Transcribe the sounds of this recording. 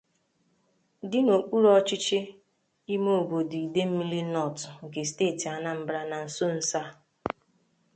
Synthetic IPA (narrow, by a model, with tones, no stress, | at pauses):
dɪ˦no˨k͡pʷu˦ɾɔ˦t͡ʃi˦t͡ʃe˦ | i˦mo˦˨o˨bo˨di˨i˨de˦m̩˦mi˦li˦nɔ˦˨tŋ̩˨ke˨ste˦˨ti˨a˨na˦m̩˦bɾa˦na˨n̩˨so˦n̩˦sa˦